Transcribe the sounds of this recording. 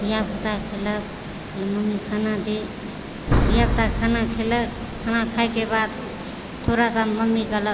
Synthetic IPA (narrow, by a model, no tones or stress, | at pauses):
d̪ijabʱut̪akʰelək | kʰeləməmːikʰanad̪e | d̪ijabʱt̪akʰanakʰelək | kʰanakʰajkebad̪̚ | t̪ʰːoɾasaməmːikələ